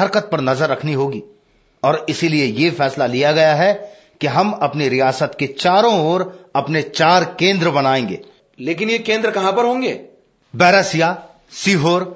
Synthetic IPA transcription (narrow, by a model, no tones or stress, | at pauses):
ɐɾkət̪̚pɐɾnɐzəɾːɐkʰniɦoːɡiː | ɔːɾɪsiliejefɛːslalijaɡɐjaɦɛ | kiɦɐmɐpniɾijaːsət̪ket͡ʃaːɾõoːɾɐpnet͡ʃaːɾkẽːnd̪ɾəbɐnaːẽːŋɡḛː | leːkɪnjekẽːnd̪ɾəkɐɦãpɐɾɦõːŋɡḛː | bɛːɾəsija | siːɦoːɾ